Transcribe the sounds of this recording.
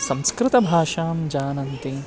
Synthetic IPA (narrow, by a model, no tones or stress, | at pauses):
sɐ̃mskɾɪt̪ɐbʱaːʃaːmd͡ʒaːnɐnt̪i